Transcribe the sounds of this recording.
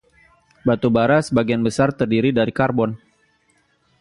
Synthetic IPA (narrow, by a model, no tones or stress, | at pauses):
bat̪ubaɾasəbaɡianbəsart̪ərdiɾidaɾikarbɔn